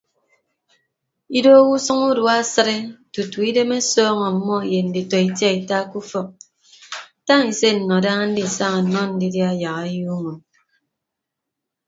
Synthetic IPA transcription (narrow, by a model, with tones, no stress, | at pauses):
i˦do˦wu˦sʌ˦ŋu˦du˦˨a˦sɨ˦ɾe˦tu˨tu˨i˦de˦me˦sɔː˦ŋɔ˨m̩˨mːɔ˦˨je˨n̩˨di˨tɔ˨i˨tja˦i˨ta˦ku˦fɔ˦k̚ | ta˦ŋi˨se˦n̩˨nɔ˨da˦ŋa˦n̩˦di˦˨sa˦ŋa˨n̩˨nɔ˦n̩˦di˦dja˦˨ja˨ɣa˨˦ju˦ŋo˨n